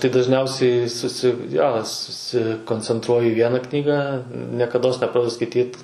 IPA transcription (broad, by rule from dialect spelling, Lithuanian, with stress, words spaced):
tɐɪ dɐʒʲˈnʲɛʊsʲɛɪ ˈsʊsʲɪ joː sʊsʲɪkoːnʲt͡sʲɛnˈtruɔjʊ iː ˈʋʲiɛnɐ ˈknʲiːɡɑː nʲiɛkɐˈdoːs nʲɛˈprɑːdʲɛdʊ skɐɪˈtʲiːt